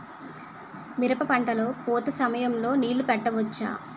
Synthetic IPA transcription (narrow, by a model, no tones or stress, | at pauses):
miɾɐpɐpɐɳʈɐlo̞ːpoːt̪ɐsɐmɐjɐmlo̞ːniːlupɛʈːɐʋɐt͡ʃːa̰ː